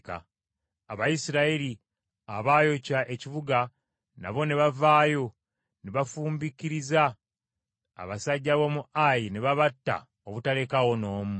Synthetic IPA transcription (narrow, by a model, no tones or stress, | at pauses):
ka̰ | aβajisiɾaeɾi | aβaːjo̞caʔe̞ciβuɡa | na̰βo̞neβavaːjo̞ | neβafuːmbikiɾiza | βasaɟːaβo̞muʔajineβaβatːa̰ | oβutale̞kaɣo̞no̞ːmu